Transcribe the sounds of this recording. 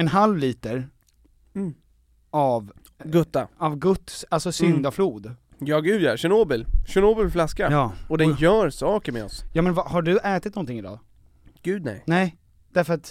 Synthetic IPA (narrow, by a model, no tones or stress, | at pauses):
ɛnɦalvliːt̪əɾ̩ | av | ɡɵt̪ːaavɡɵt̪ːsalsɔsʏnd̪afluːd̪ | jɑːɡʉ̟ːd̪jaɕɛnoːbəlɕɛnoːbəlflaskajɑːɔd̪ɛnjœːɾsɑːkəɾmɛ̰ɔsjɑːmɛnvahaɖɵʔɛːt̪ɪt̪̚nɔnt̪ʰɪŋɪd̪ɑ̰ː | ɡ̥ʉ̟ːd̪nɛ̰jnɛɪ | d̪̥æɾfœɾat̪